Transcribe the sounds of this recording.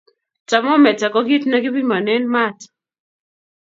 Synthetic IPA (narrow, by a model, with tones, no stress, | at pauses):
t͡sa˨mɔ˦mɛ˨t͡sa˨kɔ˦ki˦tna˦ki˦bi˦ma˨nɛ˦nma˦˨t